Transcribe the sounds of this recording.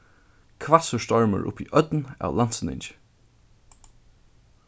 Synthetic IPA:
kʰvasəst̪ɔɹmə̰ɹʔʊ̰piʔœt̪na̰wlan̥t̪sənɪ̰ɲt͡ʃɪ̥

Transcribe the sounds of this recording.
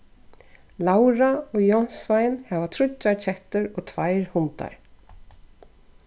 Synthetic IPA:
lawɾaɔɣjɔn̥svajnhɛvat̪ʰɾʊt͡ʃːat͡ɕʰɛht̪ʏɾɔɣt̪ʰvajɾhʊnt̪a̰ɹ

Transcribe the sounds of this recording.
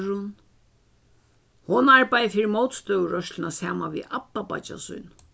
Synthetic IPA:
ɾʊn | hʊnaɹpajðfɪɾɪmowt̪st̪œːwɾœʃt̪ɪnasaːmanʋḭapːapa̰t͡ʃa̰sʊ̰jn

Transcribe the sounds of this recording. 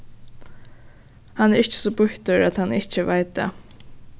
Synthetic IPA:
hɑnæːɾɪççə̥soːbʊht̪əɾat̪hɑnɪçəʋæɪt̪̚d̪ḛː

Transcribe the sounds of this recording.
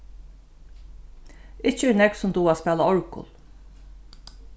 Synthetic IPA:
ɪt͡ʃəɛnɛksʊmd̪uːaːspɛːlaɔɹkʊ̰l

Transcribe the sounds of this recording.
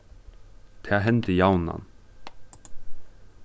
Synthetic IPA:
t̪ʰæːɦɛnt̪ɪjaːwna̰n

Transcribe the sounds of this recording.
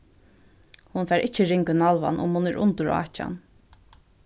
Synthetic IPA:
hʊnfɛːɾʔɪt͡ʃːəɾɪŋkʏnalʋa̰nʔʊ̰mhʊnɛɾʔʊ̰nt̪ʊɾa̰ːt͡ʃa̰n

